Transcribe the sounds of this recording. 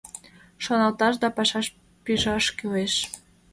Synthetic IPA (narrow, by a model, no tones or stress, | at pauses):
ʃonɑlt̪ɑʃd̪ɑpɑʃɑʃ | piʒɑʃkyleʃ